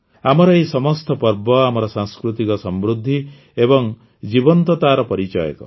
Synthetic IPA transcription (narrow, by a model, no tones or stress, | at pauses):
amɔɾɔesɔmɔst̪ɔpɔɾbɔamɔɾɔsãŋskɾut̪ikɔsɔmbɾud̪ʱːi | ebɔŋ | d͡ʒibɔnt̪ɔt̪aːɾɔpɔɾit͡ʃɔ̰jɔ̰kɔ̰